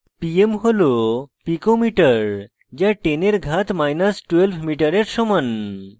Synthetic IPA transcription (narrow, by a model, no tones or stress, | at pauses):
piemɦolopikomiʈəɾ | d͡ʑjaʈeneɾɡʱat̪majnəsʈʋelʋmiʈəɾeɾsɔmən